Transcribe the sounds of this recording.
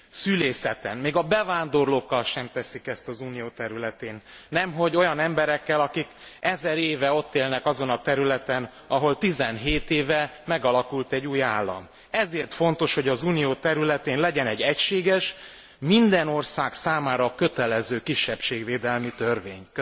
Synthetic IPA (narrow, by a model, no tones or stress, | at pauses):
syleːsɛt̪ɛ̰nmeːɡɒbɛvaːnd̪o̞rloːkːɒlʃɛmt̪ɛsikɛst̪ɒzuːnijoːt̪ɛɾylɛt̪eːnːɛmɦo̞ɟo̞jɒnɛmbɛɾɛkːɛlɒkikʔɛzɛɾeːvɛo̞t̪ːeːlnɛkɒzo̞nɒt̪ɛɾylɛt̪ɛn | ɒɦo̞lt̪izɛnɦeːt̪eːvɛmɛɡɒlɒkult̪ɛɟːuːjaːlːɒ̰m | ɛzeːrt̪fo̞n̪t̪o̞ʃho̞ɟɒzuːnijoːt̪ɛɾylɛt̪eːnlɛɟɛnɛɟːɛcʃeːɡɛʃ | mind̪ɛno̞rsaːksaːmaːɾɒkø̞t̪ɛlɛzøːkiʃːɛpʃeːɡveːd̪ɛlmit̪ørvḛːɲkø